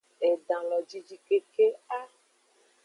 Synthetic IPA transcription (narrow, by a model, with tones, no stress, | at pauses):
e˨ɖã˨lɔ˨d͡ʒi˦d͡ʒi˦ke˦ke˦a˦